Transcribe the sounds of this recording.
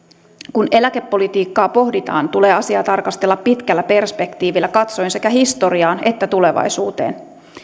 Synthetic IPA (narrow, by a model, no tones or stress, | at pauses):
kune̞læke̞pːo̞lit̪iːkːɑːpo̞ɦdit̪ɑ̰ːnt̪ule̞ːɑsiɑːt̪ɑrkɑst̪e̞lːɑppit̪kælːæpe̞rspe̞kt̪iːʋilːækɑt̪so̞jnse̞kæɦist̪o̞ɾiɑːne̞t̪ːæt̪ule̞ʋɑ̰jsuːt̪ḛːn